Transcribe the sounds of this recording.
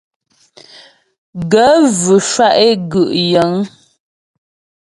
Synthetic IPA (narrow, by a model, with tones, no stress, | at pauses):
ɡə˨˦vʉ˨ʃwa˦ʔe˦ɡʉ˨ʔjə˨˦ŋ